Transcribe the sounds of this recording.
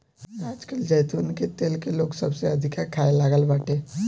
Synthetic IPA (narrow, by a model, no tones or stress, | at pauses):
ad͡ʒkəld͡ʒəjt̪unket̪elkeloːɡsəbseəd̪ʱikaɾkʰajelaɡəlbaʈʰe